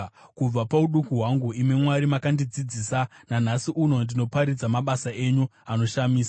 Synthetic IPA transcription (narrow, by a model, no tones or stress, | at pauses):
kub͡vapauɗukuɦwaŋɡuime̞mwaɾimakandid͡zid͡ziːsanan̤asiʔuno̞ndino̞paɾid͡zamaɓasaʔe̞ɲuano̞ʃamiːsa